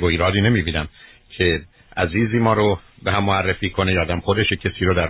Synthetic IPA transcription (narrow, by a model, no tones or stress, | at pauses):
ɡoiːɾɒːd̪iːne̞miːbiːnæmcʰe̞ | ʔæziːziːmɒːɾobeɦæmːoærːefiːkʰo̞nejɒːd̪æmxod̪e̞ʃjecʰːesiːɾod̪æɾ